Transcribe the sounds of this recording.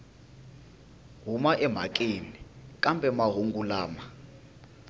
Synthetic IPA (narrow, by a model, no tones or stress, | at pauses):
ɦumaʔɛm̤a̰k̬ʼinikʼambʱʼɛmaɦuŋɡulaːma